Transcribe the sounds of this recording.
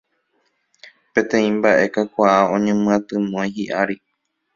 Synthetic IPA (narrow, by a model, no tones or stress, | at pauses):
pẽ̞t̪ẽ̞ĩmbaʔe̞kakʷaaõ̞ɲẽmɨ̃ãt̪ɨmõjɦiʔaɾi